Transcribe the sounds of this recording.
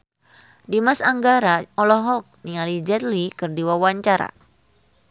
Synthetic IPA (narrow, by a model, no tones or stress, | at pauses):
dimasaŋɡaɾaɔlɔɦɔk̚niŋalid͡ʒɛt̪likɨrdiwawaɲt͡ʃaɾa̰